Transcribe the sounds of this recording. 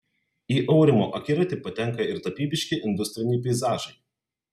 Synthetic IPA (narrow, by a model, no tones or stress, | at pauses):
iːʔɔʊɾʲɪmo̰ːʔɐkʲɪɾɐt̪ʲɪpɐt̪ʲɛŋˑkɐɪɾt̪ɐpʲiːbʲɪʃʲkʲɪʔɪnʲd̪ʊsʲt̪ʲɾʲɪnʲɪpʲɛɪzɑːʒɐɪ